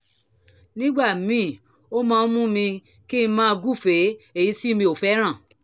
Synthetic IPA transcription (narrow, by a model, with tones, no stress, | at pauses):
nĩ˦ɡ͡ba˦˨mĩ˨˦˨ | o˦mãː˧˦mũ˦mĩ˧ | kĩ˦˧mãː˦˧ɡu˦˨fe˨˦e˦˨ji˨˦si˦˧mĩ˧˦o˨fɛ˨˦ɾ̃ã˦˨